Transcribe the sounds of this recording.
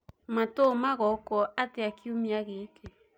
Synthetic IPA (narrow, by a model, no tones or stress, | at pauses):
matomaɣɔkɔateakiomiaɣeːke